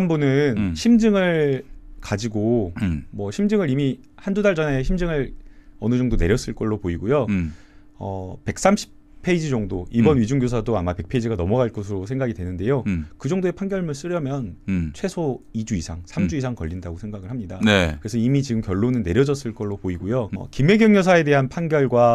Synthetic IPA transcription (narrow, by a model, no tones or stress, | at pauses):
ʌnbunɯnɕʰimd͡ʑɯŋɯɭkad͡ʑiɡomwʌɕʰimd͡ʑɯŋɯɾimi | handudaɭd͡ʑʌne̞ɕ̬ʰimd͡ʑɯŋɯɭʌnɯd͡ʑʌŋdone̞ɾjʌs͈ɯɭk͈ʌɭːopoiɡojo | ʌ̰pe̞k̚s͈amɕʰi̥ | pʰeid͡ʑid͡ʑʌŋdoibʌnɥid͡ʑuŋɡjosʰadoamape̞k̚pʰeid͡ʑiɡanʌmʌɡaɭk͈osʰɯɾosʰe̞ŋɡaɡidwe̞nɯnde̞jokɯd͡ʑʌŋdoe̞pʰanɡjʌɭmɯns͈ɯɾjʌmjʌnt͡ɕʰwe̞sʰoid͡ʑuisʰaŋsʰamd͡ʑuisʰaŋkʌʎːindaɡosʰe̞ŋɡaɡɯɭɦhamɲidanekkɯɾe̞sʰʌimit͡ɕiɡɯmkjʌɭːonɯnːe̞ɾjʌd͡ʑʌs͈ɯɭk͈ʌɭːopoiɡojoʌ̰kime̞ɡjʌŋjʌsʰae̞de̞ɦanpʰanɡjʌɭɡwa